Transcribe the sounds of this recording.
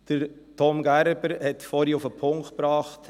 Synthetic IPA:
d̥əɾ | tʰomɡæɾb̥əɾhɛtfɔːɾiʊfəpʰʊŋkt̚pɾɑːχt

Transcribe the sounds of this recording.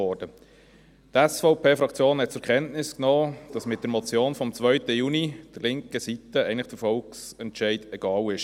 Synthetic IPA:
ɔːɾd̥ə | tɛsfɔʊpʰeːfɾɑkt͡sjoːnhɛt̚t͡sʊɾkʰɛntnɪsknɔːd̥ɑsmɪt̚d̥əɾmɔt͡sjoːnfɔmt͡svœʏtəjuːnid̥əɾlɪŋkəsitəɛɪəntlɪχd̥əɾfɔlksɛntʃɛɪdɛɡ̥ɑːlɪʃ

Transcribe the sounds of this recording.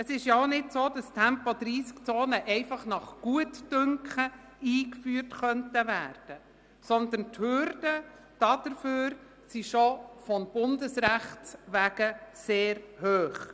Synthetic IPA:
əsɪʃjɑoʊnɪdsoːd̥ɑstʰɛmpɔd̪ɾiːskt͡soːnəʔɛɪfɑχnɑχɡ̥uətd̥ʏŋkχə | iːkfyːrtχœntəvæːrd̥ə | sɔnd̪ənthʏɾd̥ə | d̥ɑd̥əɾføːɾ | siʃɔfɔmb̥ʊndəsɾæχtʋæɡ̥əseːɾhøːχ

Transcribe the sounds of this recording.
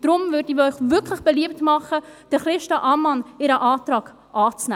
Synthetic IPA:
d̥ɾʊmvʏɾdəœʏχvʏkʰlɪχb̥ɛliəp̚tmɑχəd̥əχɾɪʃtaʔɑmɑnɪɾəʔɑːtɾɑːɡ̥ | ʔɑːt͡snæ

